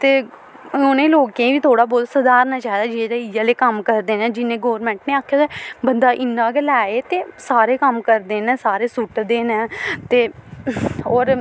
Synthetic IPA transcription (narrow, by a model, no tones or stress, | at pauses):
t̪eː | onẽːloːkẽːʋiːt̪ʰoːɽaːbɔːt̪səd̪aːɾnaːt͡ʃaːɦd̪aːd͡ʒieːd̪aijaːleːkəmkəɾd̪eːnẽːd͡ʒɪnẽːɡoːɾmɛ̃ːɳʈneːaːkʰːjaːsɛːbənd̪aːʔɪnːãːɡelɛːeːt̪eːsaːɾeːkəmkəɾd̪eːnɛ̃ːsaːɾeːsʊʈd̪eːnɛ̃ːt̪eː | ɔːɾ